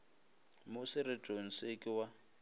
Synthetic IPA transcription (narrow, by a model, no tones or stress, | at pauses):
mʊsɪrɪtʼon̩sekʼɪwa